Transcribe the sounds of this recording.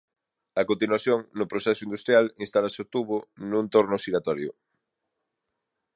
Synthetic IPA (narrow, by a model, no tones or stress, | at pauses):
ɐkont̪̬inwaθjoŋnʊpɾosɛsʊind̪ust̪ɾijalinst̪alasɪot̪uβʊnũnt̪oɾnʊsiɾat̪ɔɾjʊ̰